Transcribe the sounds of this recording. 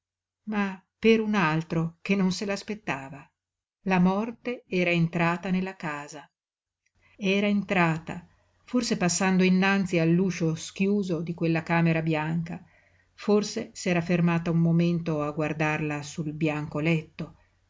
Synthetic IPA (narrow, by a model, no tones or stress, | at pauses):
mapeɾunalt̪ɾokenːonselaːspet̪ːaːva | lamɔrt̪eɛːɾaent̪ɾaːt̪anelːakaːza | eɛːɾaent̪ɾaːt̪a̰ | forsepasːand̪oinːant̪sialːuːʃosk̟juːzod̪ikwelːakaːmeɾabjaŋka | forsesɛːɾafermaːt̪aumːoment̪oaɡward̪arlasulbjaŋkolɛt̪ːo